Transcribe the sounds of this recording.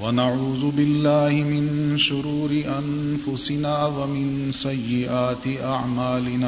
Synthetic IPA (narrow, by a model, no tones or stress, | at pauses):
wanaʕuːðʊbɪlːaːhɪmɪnʃʊɾuːɾɪʔanfʊsɪnaːwamɪn | sajːɪʔaːt̪ɪʔaʕmaːlɪnaː